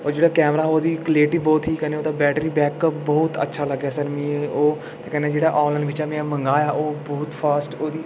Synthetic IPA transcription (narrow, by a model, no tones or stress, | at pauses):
oːd͡ʒeːɽaːkɛːmɾaːoːd̪iːkəleːʈiːbɔːt̪ɦiːkɛneoːt̪aːbɛːʈɾiːbɛːkəbɔːt̪ə̰tːʃʰaːləɡːaːsəɾmĩeoː | t̪eːkɛ̃ːnẽːd͡ʒeːɽaːʔɔːləɳɖʋɪt͡ʃɛːmẽãmə̃ŋɡaːjaːʔoːbɔːt̪pʰaːsʈoːd̪iː